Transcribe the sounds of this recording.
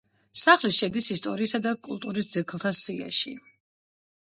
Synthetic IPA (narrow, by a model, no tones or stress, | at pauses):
saχliʃɛd̪isist̪ʼɔɾiːsad̪akʼṵlˠt̪ʼuɾis̬d̪z̥ɛkʰlˠt̪ʰasia̰ʃḭ